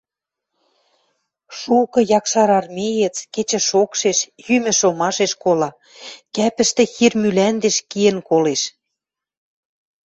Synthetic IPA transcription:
ʃukɤ̆jɑkʃɑɾɑrmejĕt͡sket͡ɕə̆ʃokʃeʃjymɘ̆ʃomɑʃeʃkolɑ | kæpɘ̆ʃt̪ĕxirmylænd̪eʃkiĕnkoleʃ

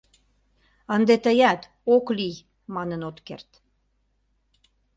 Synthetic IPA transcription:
ənd̪et̪əjæt̪ | oklij | mɑnənot̪kḛrt̪

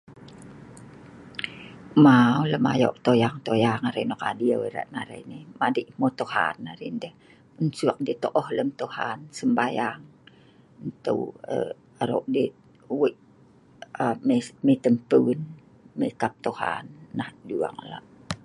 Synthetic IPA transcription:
mauləma̰jɔ̰ʔt̪ojaŋt̪ojaŋaɾəjnokadiaweɾa̰ʔna̰ɾḛnihmadəʔmot̪oha̰nːaɾindəh | ənsuak̚det̪oʔɔhləmt̪ohansəmbajaŋ | ənt̪ə̰wə̰ | aɾo̰ʔde | wəʔ | əmemet̪əmpəwn | mekap̚t̪oha̰nːahdua̰ŋa̰la̰ʔ

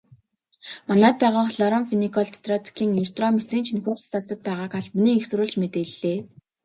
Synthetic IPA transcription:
manæːt̪̚pæːʁaːχɮɔɾɔmfinikʰɔɮt̪ʰe̥t̪ʰrɔt͡sʰi̥kʰiːŋinst̪rɔmet͡siːnt͡ɕʰinxuːxtt͡saɮt̪ə̆t̪̚pæːʁaːkaɮmuniːŋexs̆ɾʊːɮt͡ɕmet̪eːɮːeː

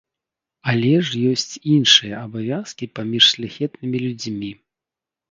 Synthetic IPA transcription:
alʲɛʐjɔsʲt͡sʲinʂɨjɐːbavʲaskʲipamʲiʂsʲlʲaxʲɛt̪nɨmʲilʲud͡zʲmʲi

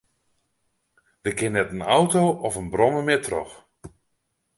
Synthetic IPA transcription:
dəkɪnːɛtənawtowʔɔfənbrɔməmɪtʰrɔ̰x

